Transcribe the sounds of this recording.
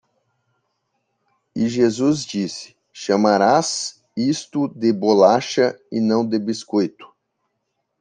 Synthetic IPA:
ɪʒezuzd͡ʒisɪ̥ | ʃɐmaɾas | ist̪ʊd̪ɪbolaʃɐɪnɐ̃w̃d̪ebiskojt̪ʊ̥

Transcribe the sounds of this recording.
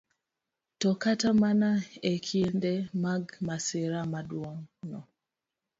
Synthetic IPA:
tɔkatamanaekʰindemaɡmaseɾamadwɔŋnɔ

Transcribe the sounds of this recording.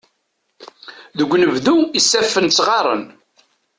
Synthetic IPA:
ðəɡʷːnəvðuisːæfːənt͡sːʁɑɾˤə̰n

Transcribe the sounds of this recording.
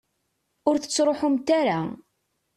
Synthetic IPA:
ʊɾθə̥t͡sːɾˤoħʊmt̪aɾa̰

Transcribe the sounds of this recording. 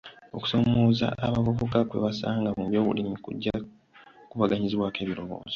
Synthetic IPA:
o̞ku̥so̞moːza̰ʔːβavuβukakwe̞̰βasaːŋɡamuβjo̞ːβṵlimikṵɟːa | kuβaɡaɲiziβwake̞ːβiɾo̞βo̰ːzo

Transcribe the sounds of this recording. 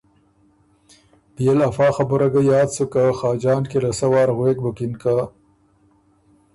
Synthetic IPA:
bijelafɑːxabuɾaɡajɑːd̪sukaxɑːd͡ʒɑːnkelasawɑːɾɣweːk̚bʊkɪnka

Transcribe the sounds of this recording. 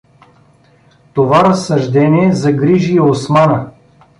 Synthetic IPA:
t̪ovaɾɐsːɐʒd̪ɛniɛzɐɡɾiʒiɛosmanə

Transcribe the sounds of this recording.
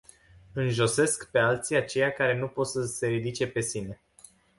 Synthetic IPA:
ɨnʒo̞se̞skpe̞alt̪siat͡ʃe̞jakaɾe̞nupot̪səse̞ɾid̪it͡ʃe̞pe̞sine̞

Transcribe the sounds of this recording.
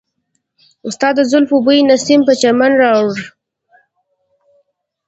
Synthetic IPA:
ʊst̪ɑd̪əzʊlfubujinasimpət͡ʃamanɾɑwɽ

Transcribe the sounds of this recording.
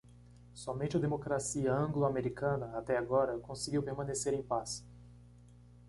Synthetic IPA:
sɔmẽnt͡ʃɪɐd̪emokɾasiɐɐ̃ŋɡloameɾikɐ̃nɐat̪ɛaɡɔɾɐkõseɡiwpeɾmɐ̃neseɾẽj̃pas

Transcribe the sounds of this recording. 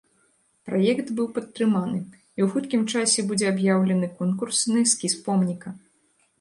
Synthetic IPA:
pɾajɛkt̪bɨwpɐt̪ːɾɨmanɨ | iwxut̪kʲimt͡ʂasʲɛbud͡zʲɛabjawlʲɐnɨkɔnkursnɨskʲispɔmnʲikɐ

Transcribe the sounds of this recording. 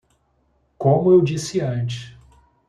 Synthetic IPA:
kõmʊewd͡ʒisɪɐ̃t͡ʃɪ̥s

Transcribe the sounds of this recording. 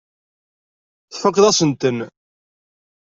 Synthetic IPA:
θfəqːðæsənt̪ən

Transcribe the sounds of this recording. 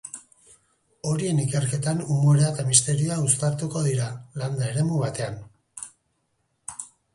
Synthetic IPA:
o̞ɾie̞nike̞rke̞t̪anumoɾeat̪amist̪e̞ɾioaust̪aɾt̪uko̞ðiɾaland̪aeɾe̞muβat̪e̞an

